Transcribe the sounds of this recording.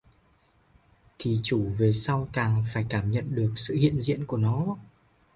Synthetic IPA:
t̪ʰi˨˩t͡ɕu˧˩ve˨˩sa˧wk̪aː˨˩ŋfaː˧˩jkaː˧˩mɲə̰˧˨nɗɨ˨˩ək̚sɨ̰˧˨hḭ˧˨ənzḭ˧˨ənku˧˩ənɔ˨˦

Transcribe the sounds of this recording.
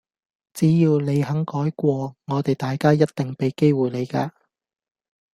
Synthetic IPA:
t͡siː˨˥jiː˧wle˨˧jhɐ˨˥ŋkɔː˨˥jkʷɔː˧ŋɔː˨˧t̪e˨˩jt̪aː˨jkaː˥jɐ˥t̪̚t̪ɪ˨ŋpe˨jke˥jwuː˨˩jle˨˧jkaː˧

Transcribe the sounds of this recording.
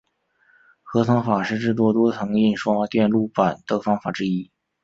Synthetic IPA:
xɤ˧˥t̪ʰɤ˧˥ŋfa˨˩ʂɻ̩˥˧ʈ͡ʂɻ̩˥˩t̪̬wɔ˥˩t̪wɔ˥t͡s̪ʰɤ˧˥ŋi˥˩nʂwt̪jɛ˥˧nlu˥˩pa˨˩nt̪ɤ˥˩fɑ˥ŋfa˨˩ʈ͡ʂɻ̩˥i˥

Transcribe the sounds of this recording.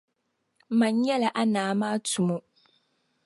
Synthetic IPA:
ma˨ɲ˦jɛ˦la˨ʔa˦naː˨˦maː˦tu˨mo˦

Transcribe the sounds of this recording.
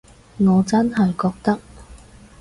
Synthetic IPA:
ŋɔː˨˧t͡sɐ˥nɦɐ˨jkɔː˧k̚t̪ɐ˥k̚

